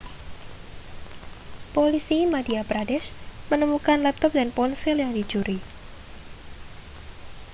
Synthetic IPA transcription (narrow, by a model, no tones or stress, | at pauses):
polisimadiapɾadɛʃmənəmukanlɛp̚t̪ɔp̚danpɔnsiljaŋdi̥d͡ʒuɾi